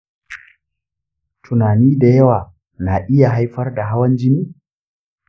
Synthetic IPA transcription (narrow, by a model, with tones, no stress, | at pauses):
tʰʊ˨naː˨niː˦da˨jɐ˦waː˨ | na˨ʔɪ˦ja˨ɦa˦jɸɐ˦rda˨ɦa˦wɐ˦nd͡ʒɪ˦niː˦